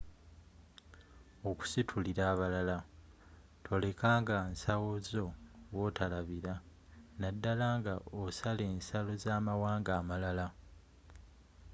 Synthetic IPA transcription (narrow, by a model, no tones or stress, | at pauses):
o̞ku̥sitʰuliɾaːβalala | tʰo̞le̞kaːŋɡansawozo̞wo̞talaβiɾa | nadːalaːŋɡaʔosale̞ːnsalo̞zaːmawaːŋɡaːmalala